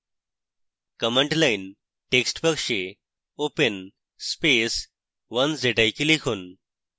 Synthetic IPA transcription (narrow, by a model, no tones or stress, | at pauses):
kəməɳʈlain | ʈeksʈpəkʂe | opən | spes | ʋənsd͡zeʈajkilikʰon